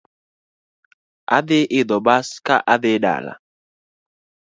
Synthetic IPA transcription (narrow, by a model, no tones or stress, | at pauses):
a̰ðɪʔɪðɔɓaskaʔaðɪɗa̰la̰